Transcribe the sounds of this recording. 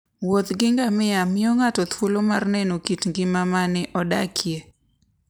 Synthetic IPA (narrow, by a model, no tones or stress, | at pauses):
wot̪ɡɪŋɡamɪamɪɔŋatɔt̪wolomarnɛnokitŋɡɪmamanɪʔɔdakʰje